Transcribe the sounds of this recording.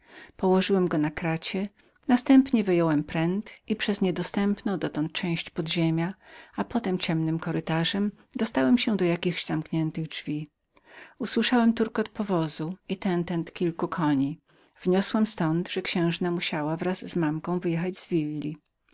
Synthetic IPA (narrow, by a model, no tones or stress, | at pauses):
pɔwɔʐɘwɛmɡɔnakɾat͡ɕɛ | nast̪ɛmpɲɛvɘjɔwɛmpɾɛnt̪ipʂɛzɲɛd̪ɔst̪ɛmpnɔ̃w̃d̪ɔt̪ɔnt̪̚t͡ʂɛ̃w̃ɕt͡ɕpɔd̪ʑemʲjaapɔt̪ɛmt͡ɕɛmnɘmkɔɾɘt̪aʐɛm | d̪ɔst̪awɛmɕɛ̃d̪ɔjakʲiɣʑz̥amkɲɛnt̪ɘɣdʐvʲi | uswɘʂawɛmt̪uɾkɔt̪̚pɔvɔzuit̪ɛnt̪ɛnt̪kʲilkukʰɔɲi | v̥ɲɔswɛmst̪ɔnd̪ʐɛkɕɛ̃w̃ʐnamuɕawavɾazːmamkɔ̃w̃vɘjɛxad͡ʑzvʲilːi